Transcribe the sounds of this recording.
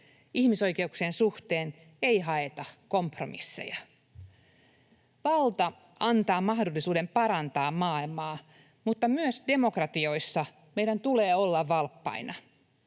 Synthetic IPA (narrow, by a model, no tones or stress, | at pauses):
ʔihmiso̞jke̞ukseːnsuht̪eːn | eiɦɑet̪ɑkompro̰mḭsːḛjɑ | ʋɑlt̪ɑ | ɑnt̪ɑːmɑhdolːisuːdempɑɾɑnt̪ɑːmmɑːilmɑː | mut̪ːɑmyøsde̞mokrɑt̪io̞isːɑ | meidænt̪uleːolːɑʋʋɑlpːɑ̰inɑ